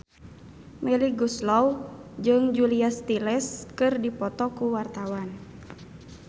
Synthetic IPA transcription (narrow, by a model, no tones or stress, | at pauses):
mɛliɡuslɔwd͡ʒɨŋd͡ʒuliast̪ilɛskɨrdipɔt̪ɔkuwart̪awan